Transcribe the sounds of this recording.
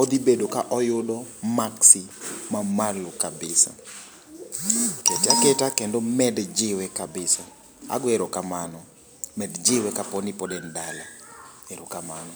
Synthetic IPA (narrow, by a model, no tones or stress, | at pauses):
ɔd̪ibedokaʔɔjʊdɔmaksimamalokabɪsa̰ | ketaketakendomɛdd͡ʒɪwɛkabɪsa | a̰ɡeɾokamanɔ | mɛdd͡ʒɪwɛkapɔnɪpɔdɛndalaeɾokamanɔ